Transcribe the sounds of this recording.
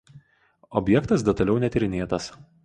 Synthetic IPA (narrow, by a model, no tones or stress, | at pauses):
ɔbʲjɛkt̪ɐs̬d̪ʲɛt̪ɐlʲɛʊnʲɛt̪ʲɪɾʲɪnʲeːt̪ɐs